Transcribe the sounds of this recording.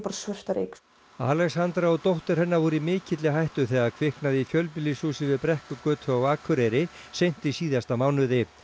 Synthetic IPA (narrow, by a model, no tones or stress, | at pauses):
paɾsvœst̪aɾḛjk | aːlɛɣshant̪ɾaɔt̪owht̪ɪɾ̥hɛnːavɔːɾʏimɪːcɪt̪lɪɦajht̪ʏθɛːɣaɾkʰv̥ɪhknaðɪifjœlpɪlisuːsɪvɪðpɾɛhkʏkœːt̪ʰœawaːkʰʏɾejɾɪ | sejn̥t̪isiːðast̪amaːwnʏðɪ